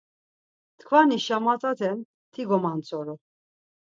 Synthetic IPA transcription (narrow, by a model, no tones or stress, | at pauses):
t̪kʰvaniʃamat͡sʼat̪ʰɛm | t̪ʰiɡɔmant͡sʰʼɔɾɔ